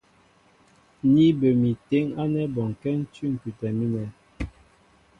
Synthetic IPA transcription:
ni˦bə˨mi˨te˦ŋa˦nɛ˦bɔ˨ŋ˨kɛ˦n̩˦ty˦ŋ̩˨ky˨tɛ˨mi˦nɛ˨˦

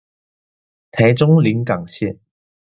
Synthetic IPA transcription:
t̪ʰɛ˨˧˥jt͡sʊ˥ŋli˨˥nkɐ˨˩ŋɕi˥˩n

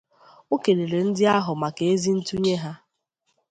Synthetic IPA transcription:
o˦ke˨ɾe˨ɾe˨n̩˦dɪ˦a˦ɦʊ˨ma˨ke˨e˦zi˦n̩˦tu˦ɲe˦ɦa˦

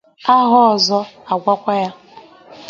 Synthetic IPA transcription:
a˦ɦɔ˦˨zɔ˦a˨ɡʷa˦kʷa˦ja˦

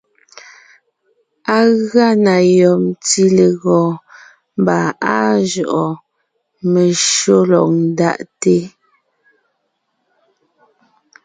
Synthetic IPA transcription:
a˦ɣa˦˨na˨jɔ˨mti˦le˨ɣɔː˨ | m˦ba˨a˦ʒɔ˨ʔɔ˨ | me˨ʃo˦lɔ̰˨ʔ̚n̩˦da̰˦ʔte˦

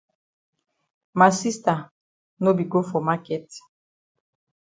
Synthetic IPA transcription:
ma˨si˦sta˨ | no˦bi˨ɡo˦fɔ˨ma˦kɛ˦t

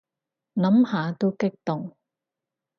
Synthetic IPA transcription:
nɐ˨˥mhaː˨˧t̪o˥wkɪ˥k̚t̪ʊ˨ŋ

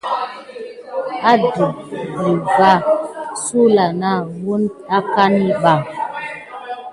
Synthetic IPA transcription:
a˦di˨di˨ɡa˦su˦la˨na˦˨bu˦na˦ka˦ni˦ɓa˦˨

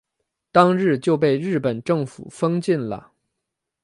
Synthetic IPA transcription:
t̪ɑ˥ŋɻɻ̩˥˧t͡ɕjo˥˧ʊp̬e˥˧ɪɻɻ̩˥˩pə˨˩nʈ͡ʂɤ˥˩ŋfṵ˨˩fɤ˥ŋt͡ɕi˥˩nlə̰˩

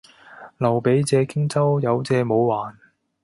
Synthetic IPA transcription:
lɐ˨˩wpe˨˥jt͡sɛː˨˧kɪ˥ŋt͡sɐ˥wjɐ˨˧wt͡sɛː˨˧mo˨˧wwaː˨˩n

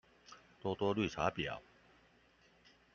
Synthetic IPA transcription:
t̪wɔ˥t̪wɔ˥ly˥˨˩ʈ͡ʂʰa˨˥pjɑ̰˨˩˦ʊ

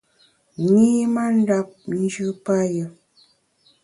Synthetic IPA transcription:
ŋi˦ma˦n̩˦da˦p̚n̩˦d͡ʒɨ˦pa˦jə˨

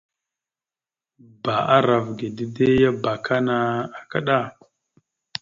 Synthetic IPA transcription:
ba˨a˦ɾa˨vɡe˨di˦de˦ja˦ba˨kʰa˦na˨a˨ka˦ɗa˦˨

